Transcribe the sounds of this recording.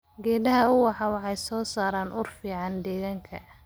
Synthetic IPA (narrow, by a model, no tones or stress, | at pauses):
ɡɛːd̪ɐɦɐʊwɑħɑwɑħɑjsɔːsaːɾaːnʔʊrfiːʕɑnd̪ɛːɣaːŋkʰɐ̰